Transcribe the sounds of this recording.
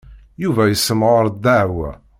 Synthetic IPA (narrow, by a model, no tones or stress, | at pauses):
juvæjəsːəmʁɾˤd̪æʕwæ̰